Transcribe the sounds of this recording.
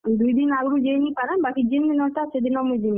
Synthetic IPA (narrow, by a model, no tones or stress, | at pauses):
d̪ujd̪inaɡɽud͡ʒejnipaɾanbakid͡ʒind̪inɔʈ̪asʰed̪inɔmujd̪in